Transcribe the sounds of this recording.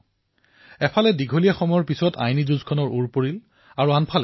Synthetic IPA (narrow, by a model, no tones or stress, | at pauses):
ɛpʰalɛdiɡʱolijaxɔmɔjɔɹpisɔtʰa̰jnizuzkʰɔnɔɹʔuɹpoɹil | aɹuanpʰalɛ